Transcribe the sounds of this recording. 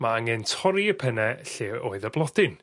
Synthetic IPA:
maaŋɛntʰɔɾiəpʰənɛɬeːoːɨðəblˠɔd̥ɪn

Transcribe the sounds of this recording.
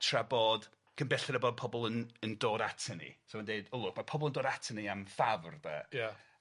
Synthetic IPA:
tʰraboɔd̥ | ɡ̥ʰənbɛɬɛɾəbɔd̚pʰɔbɔlˠənəndoːɾatʰɛnḭsomandeɨdʊlˠʊkmapʰɔbɔlˠəndoːɾatʰəniamfavrðɛ̰ja

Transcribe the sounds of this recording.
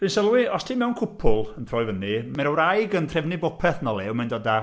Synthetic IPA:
v̥ɨnsəlˠwiɔstʰiːmɛwnkʰʊpʰʊlˠəntʰrɔːjvənimɛɾəwɾajɡəntʰrɛvnibɔpʰɛθnɔlˠɛwmɛndɔda

